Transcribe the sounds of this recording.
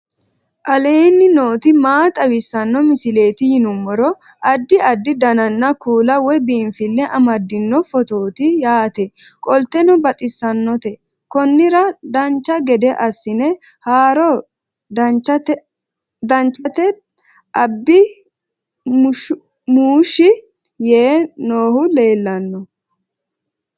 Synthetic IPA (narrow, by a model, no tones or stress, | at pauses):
ʔɐle̞ːnːɪno̞ːt̪ɪmaːt̪ʼɐwɪsːɐnːɔmɪsɪle̞ːt̪ɪjɪnʊmːɔɾɔ | ɐd̪ːɪʔɐd̪ːɪd̪ɐnɐnːɐkuːlɐwɔbiːnfɪlːɛʔɐmɐd̪ːɪnːɔfɔt̪o̞ːt̪ɪjaːt̪ɛkʼɔlt̪ɛnɔbɐt̪ʼɪsːɐnːɔt̪ɛ | kɔnːɪɾɐd̪ɐnt͡ʃːɐɡɛd̪ɛʔɐsːɪnɛ | haːɾɔ | d̪ɐt͡ʃːɐt | d̪ɐnt͡ʃʼɐt̪ɛ | ʔɐbːɪ | muːʃːɪ | jeːnoːhʊle̞ːlːɐnːɔ